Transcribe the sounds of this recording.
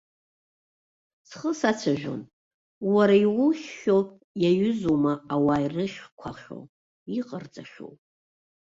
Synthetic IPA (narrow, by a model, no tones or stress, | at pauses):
sʰχəsat͡sʷʰaʒᶣo̰n | waɾaiwʊʃːopʼ | jaɥʏzumaawairɨχʲkʷʰaχʲo̞̰ | iqʼərt͡sʼaʃo̰w